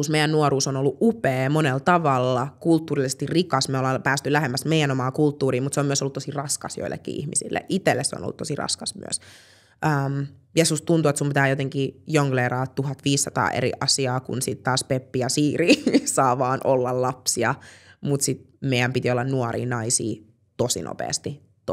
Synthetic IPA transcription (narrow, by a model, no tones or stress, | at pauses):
usmeijænnuoɾuːsonolːuʔʔupeːmonelt̪ɑʋɑlːɑkult̪ːuːrilːsest̪irrikɑsmeolɑpæːst̪ylæhemːæsmeijænomɑːkult̪ːuːriːmut̪seomyøsolːut̪tosirɑskɑsjo̰ilːḛkːḭːḭhmisḭlːḛʔit̪elːesḛo̰no̰lːut̪osirɑ̰skɑsmy̰ø̰s | ʔəm | jesustt̪unt̪uet̪sumpit̪æːjot̪eŋkijoŋkleːrɑːtt̪uɦɑt̪ʋiːsːɑt̪ɑ̰ːʔḛɾḭʔɑsiɑːkṵnsit̪t̪ɑːspepːijɑsiːɾiːsɑːʋɑːnʔolːɑllɑpsiɑmut̪sit̪ | meijæmpit̪iolːɑnnuoɾḭːnɑisḭː | t̪osḭnʔo̰pḛːst̪i | t̪